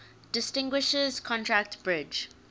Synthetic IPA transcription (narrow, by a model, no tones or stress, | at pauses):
d̥ɪstɪ̃ŋɡwɪʃəzkʰɔ̃ntʰɹæk̚tbɹɪd͡ʒ